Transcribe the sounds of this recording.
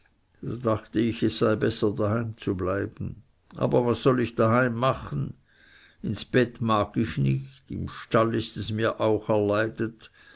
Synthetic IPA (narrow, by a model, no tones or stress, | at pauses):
d̥o̰daχtəɪçɛssaɪbɛsɐdahaɪmt͡sublaɪb̥n̩ | ʔa̰ːbɐvasːɔlɪçd̥ahaɪmːaχən̩ | ɪnsb̥ɛtmaːɡɪçnɪçtɪ̰mʃtalɪstɛsmiːɐʔaʊxɛɐlaɪdət